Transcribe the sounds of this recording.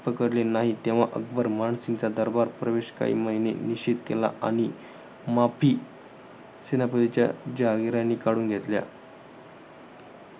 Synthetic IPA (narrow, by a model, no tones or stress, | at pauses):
pəkəɽlenaɦit̪eʋ̤aʔək̚bəɾmaɳsint͡sad̪əɾbaɾpɾəʋeɕka̰ɦḭːməɦinḛniɕit̪kela̰a̰ɽ̃i | mapʰiː | senapəd̪it͡ɕja̰d͡ʑaɡɾãnːikaɽuːnɡʱet̪lja̰